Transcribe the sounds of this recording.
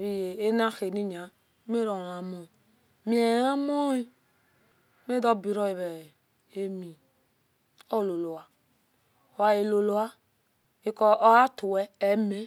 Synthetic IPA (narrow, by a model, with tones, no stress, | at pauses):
βi˦je˨e˦na˦xe˨ni˦ɲa˨˦ | me˦ɾɔ˨a˨mɔ˨ | mi˦ɛ˨˦a˦mɔ˦i˦ | me˦dɔ˦bi˨ɾɔ˦i˨βɛ˨ | e˦mi˨ | ɔ˦˨lo˨lo˨wa˨ | o˨a˧je˨lo˨lo˨a˦ | i˦kɔ˧ʔɔ˦a˦tu˨wɛ˦ɛ˨me˨˦